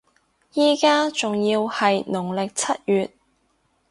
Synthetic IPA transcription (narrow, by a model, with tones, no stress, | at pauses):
jiː˥kaː˥t͡sʊ˨ŋjiː˧whɐ˨jnʊ˨˩ŋlɪ˨k̚t͡sʰɐ˥t̚jyː˨t̚